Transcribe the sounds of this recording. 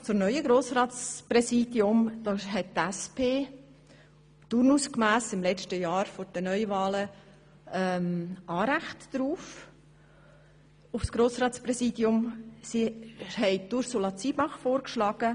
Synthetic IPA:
t͡sʊmnœʏəɡɾoːsrɑːtt͡sprɛsiːd̥jʊmd̥ɑːɦɛttæspʰeː | tuɾnuskmæːsɪmlɛt͡ʃtəjɑːɾfoɾd̥ənœʏvɑːlə | ɛmɑːɾæχtd̥ɾuːf | ʊfsɡ̥ɾoːsrɑːt̪sprɛsiːdjʊmsihɛɪtuɾsulɑt͡siːbɑχfoːrkʃlɑːɡ̥ə

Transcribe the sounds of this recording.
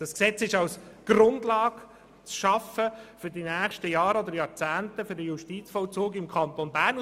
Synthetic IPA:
d̥ɑsksɛt͡sɪʃɑlsɡ̥rʊndlɑːɡ | t͡sʃɑfəfʏɾdinæːχʃtəjɑːɾɔd̪əɾjɑːɾt͡sæːntəfʏɾdəjuʃtit͡sfɔlt͡soːɡɪmkʰɑnt̪onbæːɾn

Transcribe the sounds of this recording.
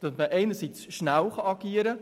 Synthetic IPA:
d̥ɑtməʔɛɪnəɾsit͡sʃnælχɑɑɡiːəɾə

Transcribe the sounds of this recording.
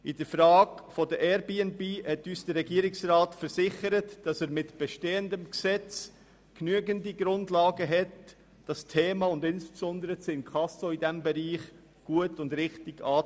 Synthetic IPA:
ʔɪdəɾfɾɑːɡfɔdəʔɛɾbeːɛnbeːhɛtyːsd̥əɾːɛɡiːəɾɪksɾɑːtfəɾsɪχəɾətd̥ɑsæːɾmɪtb̥ɛʃteːəndəmksɛt͡s | knyəɡəndiɡɾʊndlɑːɡəɦɛt | d̥ɑstʰeːmɑʊndɪnspsɔndəɾəsɪnkʰχɑsoidɛmbɛɾiːχ | ɡ̥uətʊndɾɪχtɪɡ̥ɑː

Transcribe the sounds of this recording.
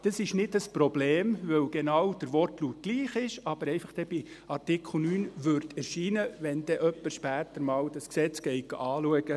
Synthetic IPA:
d̪̥ɑsɪʃnɪdəsprob̥leːmʋœwɡ̥enɑːwd̥̪əɾʋɔrtlut̚ɡ̥liːχɪʃɑb̥əɾɛɪfɑχd̥ɛb̥i | ɑrtɪkχl̩nyːnʋøɾt̪ɛɾʃiːnəʋɛnd̥̪ɛʔœpːəɾʃpæːt̪əɾmɑːwdɑsksɛt͡sɡ̥ɛɪɡ̥ɑ̰ʔɑːluəɡ̥ə

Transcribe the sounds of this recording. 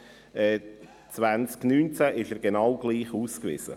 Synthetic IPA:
ɛː | t͡svant͡sknyːnt͡sæʔɪʃɛːɾɡenɑwɡ̥liːχuːskvɪ̰z̥ə̰

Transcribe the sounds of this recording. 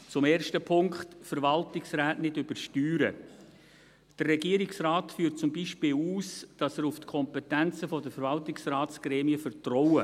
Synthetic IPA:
t͡sʊmeːɾʃtəpʰʊŋkχtfəɾʋɑltɪksræːtnɪdʏb̥əɾʃtyːɾə | d̥ərːɛɡiəɾɪksrɑːtfyːɾt̚t͡sʊmbiʃpɪːluːsd̥ɑsəɾuftkʰɔmpɛtænt͡səfɔdəfəɾvɑltɪksrɑːtt͡sɡ̥ɾɛːmiəfəɾtrɔwə

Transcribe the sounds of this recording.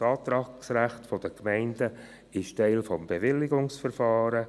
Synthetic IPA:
ɑːtɾɑksɾæχtfɔd̥əkmɛɪndə | ɪʃtɛɪlfɔmbevɪlːɪɡʊŋsfɛɾfɑːɾə

